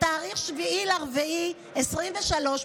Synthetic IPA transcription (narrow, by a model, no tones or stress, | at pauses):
taːʁiχʃviileaʁveʔi | esʁimveʃalo̞ʃ